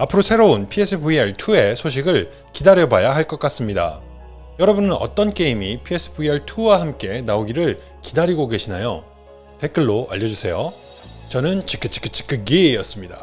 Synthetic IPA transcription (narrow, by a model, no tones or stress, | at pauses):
apʰɯɾosʰe̞ɾounpʰies͈ʰɯbuiaɭtʰue̞sʰoɕ̬ʰiɡɯɭ | kidaɾjʌbajaɦaɭk͈ʌk͈as͈ɯmɲida̰ | jʌɾʌbunɯnʌ̰t͈ʌnk͈e̞imipʰie̞s͈ʰɯ̥buiaɭtʰuwaɦamk͈e̞naoɡiɾɯɭ | kidaɾiɡoɡe̞ɕʰinajo | te̞k͈ɯɭːoʔa̰ʎːʌd͡ʑusʰe̞jo | t͡ɕʌnɯnt͡ɕik͈ɯt͡ɕ͈ʰi̥k͈ɯt͡ɕ͈ʰi̥k͈ɯɡeːjʌs͈ɯmɲida